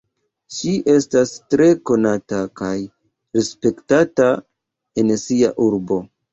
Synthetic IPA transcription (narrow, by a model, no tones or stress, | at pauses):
ʃiʔe̞stastɾe̞ko̞natakaj | ɾe̞spe̞ktata | e̞nsia̰ʔuɾbo̞